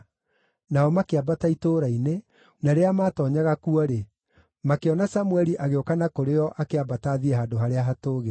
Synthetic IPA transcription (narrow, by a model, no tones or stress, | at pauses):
naɔmakeabataitoːɾaine | naɾeamaːtɔɲaɣakuɔɾe | makeɔnasamwɛɾiʔaɣeokanakoɾeɔʔakeabataːðiɛɦadoɦaɾeaɦatoːɣe